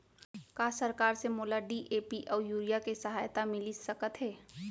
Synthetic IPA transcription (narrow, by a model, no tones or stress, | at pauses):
kaːsɐɾkaːɾsemoːlaɖiʔeːpiʔɔːɾjuːɾijakesɐɦaːjt̪amɪlisɐkət̪ɦɛː